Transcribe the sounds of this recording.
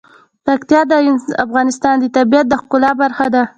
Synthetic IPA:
pakt̪ijɑd̪əafɣɑnɪst̪ɑnd̪ət̪abijat̪̚d̪əxkʊlɑbaɾxad̪a

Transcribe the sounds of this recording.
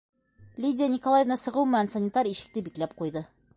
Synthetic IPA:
lʲidʲɪjanʲɪkolˠajevnɑsɤ̆ʁɤwmɘ̆nænsɐnʲɪt̪ɑɾiʃɘ̆k̚t̪ɘbiklæp̚qujðɤ

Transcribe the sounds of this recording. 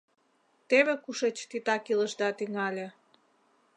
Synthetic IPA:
t̪eβekuʃet͡ɕt̪it̪ɑkiləʒd̪ɑt̪yŋɑlʲĕ

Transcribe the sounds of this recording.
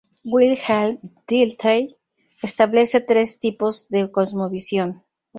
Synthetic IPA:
wilxald̪̥ilt̪ʰaj | est̪aβle̞set̪ɾe̞st̪ipozðe̞kozmoβisjo̞n

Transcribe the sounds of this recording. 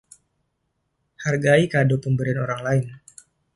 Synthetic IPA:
harɡaikadopəmbəɾianoɾaŋlaɪn

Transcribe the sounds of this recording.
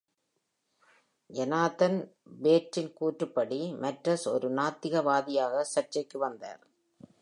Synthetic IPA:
ʔɛnaːt̪ɐnbeːʈrɪnkuːʈrɯpːɐɽimɐʈrɐsɔ̰ɾɯnaːt̪ːɪɣɐʋaːðɪjaːɣɐsɐʈt͡ʃɐɪkːɯʋɐnd̪a̰ːɾ

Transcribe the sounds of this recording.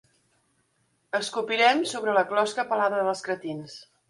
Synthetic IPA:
əskupiɾɛmsoβɾələklɔskəpəlaðəðəəskɾət̪ins

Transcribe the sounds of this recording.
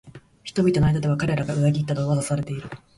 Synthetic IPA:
çi̥t̪o̞bʲit̪o̞najd̪ad̪e̞βakaɾe̞ɾaɡaɯ̟ɾaɡʲit̪ːad̪oːβazasaɾe̞t̪e̞iɾɯ̟

